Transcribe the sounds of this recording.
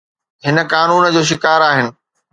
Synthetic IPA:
ɦɪnə̆kaːnuːnd͡ʑoːʃ̬ɪkaːɾaːɦɪnɪ̆

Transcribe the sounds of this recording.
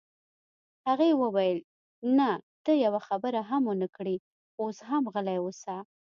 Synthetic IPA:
haɣewəwajəl | nat̪əjawaxabəɾaɦamənakɽi | oshamɣəlajwəsa

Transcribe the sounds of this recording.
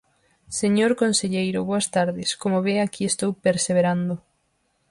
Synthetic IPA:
seɲoɾkonseʎejɾʊβoast̪aɾðɪskomoβeakiest̪owpeɾseβeɾand̪o

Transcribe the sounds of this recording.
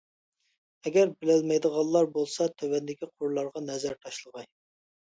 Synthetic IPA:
ɛɡʲɛɾbɪlɪlmɛjd̪əʁɑlˠːɑɾbolˠsɑt̪ʰøwɛnd̪ɪkʲiqʰʊɾlˠɑɾʁɑnɛzæɾt̪ʰɑʃlˠəʁɑj

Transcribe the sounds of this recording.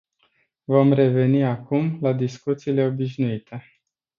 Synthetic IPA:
vo̞mre̞ve̞niakumlad̪iskut̪siːle̞obiʃnuit̪ʰe

